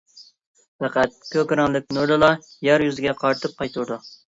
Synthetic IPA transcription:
pɑqæt̪̚kʲʰøkʲɾɑŋlˠɪk̚ʲnuɾlɨlˠɑjɑɾjyzɪɡʲɛqʰɑɾt̪ʰɨp̚qʰɑjt̪ʰuɾd̪u

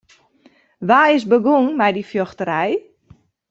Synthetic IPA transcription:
ʋaːɪsbəɡuŋmɛjdifjoxtəɾɛj

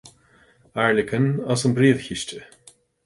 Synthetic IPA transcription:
aɹlʲɪkʰənɔsənbɾiːðçiʃtə

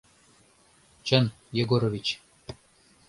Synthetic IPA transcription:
t͡ɕə̆n | jeɡoɾovʲit͡ɕ

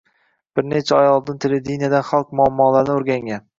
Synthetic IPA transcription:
b̥ɪɾne̞t͡ʃʰaɒjɒlˠd̪ɪnt̪ʰeled̪inijad̪anχalˠq̚mʊamːɒːlaɾnɪoɾɡʲaŋɡʲan

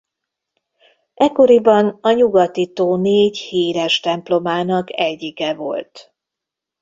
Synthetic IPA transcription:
ɛkːo̞ɾibɒnɒɲuɡɒt̪it̪oːneːɟhiːɾɛʃt̪ɛmplo̞maːnɒkɛɟːikɛvo̞̰lt̪

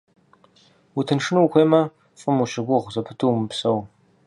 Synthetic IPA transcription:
wʊtʰɨnʂɨnuwxʷeːmɐ | fʼɨmuʃɪɡʷʊʁʷzɐpʰɨtʰuwmɨpsɐw

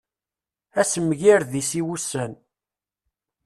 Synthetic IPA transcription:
æsəmːʝiɾðisiwusːən

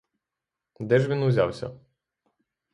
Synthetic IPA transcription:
d̪ɛʒʋʲinʊzʲa̰wsʲɐ̰

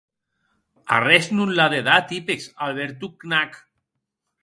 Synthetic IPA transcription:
a̰rɛsnunlaðeðat̪ipesalβeɾt̪̬uknak

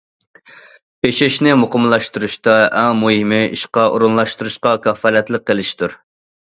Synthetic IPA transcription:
pʰeʃɪʃnɪmoqʰʊmlˠɑʃt̪uɾuʃt̪ɑɛmuhimɪḭʃqɑʔo̰ɾunlˠɑʃt̪uɾuʃqɑkʲʰɑfɑlɛt̪lˠəqːəlɪʃt̪ʰuɾ

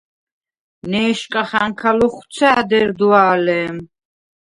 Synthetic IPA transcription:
nɛːʃkʼaχaŋkʰalɔχwt̪sʰaːd̪ɛɾd̪uaːlɛːm

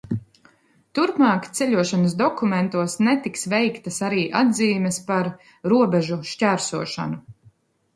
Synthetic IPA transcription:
t̪uɾpmɑːkt̪sɛʎʲuɔʃanɐs̬d̪ɔkument̪uɔsnɛt̪iksvɛjkt̪ɐsaɾiːʔad̪ziːmʲɛspaɾ | ɾuɔbɛʒuʃcæːɾsuɔʃa̰nu

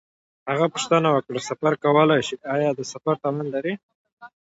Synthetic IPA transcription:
haɣapʊʃt̪ənawəkɽasafaɾkawəlajʃiʔɑjɑd̪əsafaɾt̪alanlaɾi

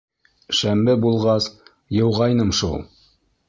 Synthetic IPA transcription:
ʃæmbɘbulˠʁɑs | jɤ̆wʁɑjnɤmʃṵlˠ

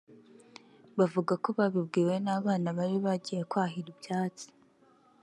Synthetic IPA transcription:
βavuɡako̞βaβibɡiːwe̞naːβaːnaβaɾiβaɟijekwaːɦiɾibjaːt͡si̥

